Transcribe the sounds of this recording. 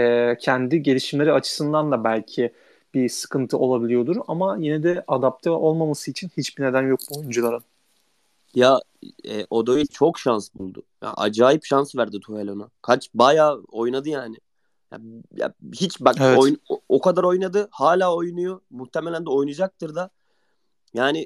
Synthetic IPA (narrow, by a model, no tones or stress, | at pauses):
ɛːcʰɛnd̪iɟe̞lʲiʃimlʲe̞ɾiat͡ʃʰɯ̥sɯnd̪and̪abælʲcʰi | b̥isɯ̥kʰɯnt̪ʰɯo̞lˠabilʲijo̞d̪uɾamajinɛd̪ɛʔad̪ap̚t̪ʰɛo̞lˠmamasɯit͡ʃʰinhit͡ʃbined̪ænjok̚buojund͡ʒulˠaɾɯn | jaɛ̰ːʔo̞d̪ovit͡ʃʰo̞kʃansbulˠd̪ʊ̰ja̰ʔa̰d͡ʒaːjipʃansvæɾd̪it̪ʰuhelʲonakʰat͡ʃbajaːo̞jnad̪ɯjaːnɪ | ja̰ja̰hit͡ʃbaɛojnokad̪aɾo̞jnad̪ɯhaːlʲaːo̞jnujomuht̪ʰemelʲænd̪ɛo̞jnud͡ʒak̚t̪ʰɯɾd̪a | jaːnɪ